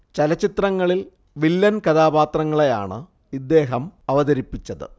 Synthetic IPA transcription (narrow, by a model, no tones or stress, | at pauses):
t͡ɕɐlɐt͡ɕːit̪rɐŋːɐɭil | ʋilːɐnkɐðaːbaːt̪rɐŋːɐɭe̞ja̰ːɳɨ̰ | id̪ːe̞ːɦɐmɐʋɐðɐɾipːit͡ɕːɐðɨ̰